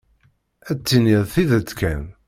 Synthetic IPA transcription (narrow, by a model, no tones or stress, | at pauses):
æt͡sːiniðθiðət͡sːkæn